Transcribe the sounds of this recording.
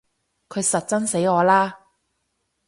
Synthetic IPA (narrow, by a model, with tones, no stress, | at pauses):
kʰɵ˨˧ɥsɐ˨t̚t͡sɐ˥nse˨˥jŋɔː˨˧laː˥